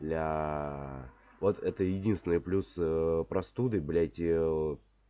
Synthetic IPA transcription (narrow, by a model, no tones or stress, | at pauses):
lʲa | vot̪ɛt̪əjɪdʲinst̪ʲɪnɨjplʲuspɾɐst̪ud̪ɨblʲatʲɪ